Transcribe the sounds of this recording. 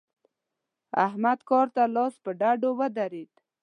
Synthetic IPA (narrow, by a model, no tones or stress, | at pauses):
a̰hmad̪kɑɾt̪alɑspəɖaɖowəd̪aɾed̪